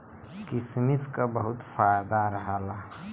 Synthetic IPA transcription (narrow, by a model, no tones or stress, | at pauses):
kɪsmiskabəɦʊt̪faːjd̪aɾəɦaːla